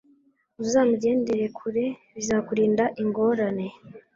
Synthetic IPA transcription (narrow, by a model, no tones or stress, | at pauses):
uzaːmuɟe̞ːnde̞ɾe̞kʰuɾe̞βizaːkuɾiːndaʔiŋɡo̞ːɾane̞